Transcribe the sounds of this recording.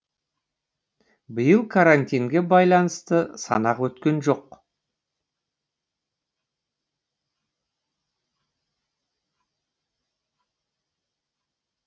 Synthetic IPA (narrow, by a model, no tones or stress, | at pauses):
bɪjəlˠkʰaɾanʲt̪ʲijŋɡʲe̞bɑjlˠɑnəst̪əsɑ̰nɑqwɵt̪kʲe̞nʒo̞q